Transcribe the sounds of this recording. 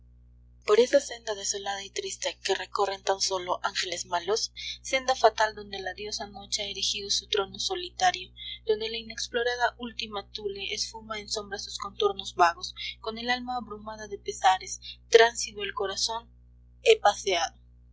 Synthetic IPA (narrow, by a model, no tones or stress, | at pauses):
po̞ɾe̞sase̞nd̪aðe̞so̞laðait̪ɾist̪ekere̞ko̞re̞nt̪anso̞lo̞ʔaŋxe̞le̞zmalosːe̞nd̪afat̪ald̪o̞nd̪e̞laðjo̞sano̞t͡ʃeaeɾixið̞o̞sut̪ɾo̞no̞so̞lit̪aɾjo̞ðo̞nd̪e̞laine̞ksplo̞ɾaðaʔult̪imat̪uleʔesfumaenso̞mbɾasu̥sko̞nt̪o̞ɾno̞zβaɣo̞sko̞ne̞lalmaːβɾumaðaðe̞pe̞saɾe̞st̪ɾansit̪oelko̞ɾaso̞n | epaseaðo